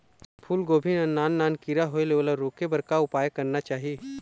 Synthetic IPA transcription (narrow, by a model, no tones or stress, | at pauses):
pʰuːlɡoːbʱɪnɐnːaːnːaːnkiɾaɦoelelaɾoːkebɐɾkaʊpaːjkɐɾnat͡ʃaːɦie